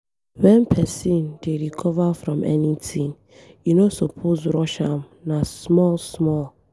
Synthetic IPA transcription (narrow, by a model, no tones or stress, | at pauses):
wɛ̃npʰɛsĩndeɹikʰɔvafɹɔ̃mʔɛ̰nitʰĩŋ | junosɔpʰosɾɔʃãm | nasmɔlsmɔl